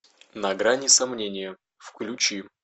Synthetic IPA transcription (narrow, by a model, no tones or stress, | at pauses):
nɐɡɾanʲɪsɐmnʲenʲɪjə | fklʲʉt͡ɕi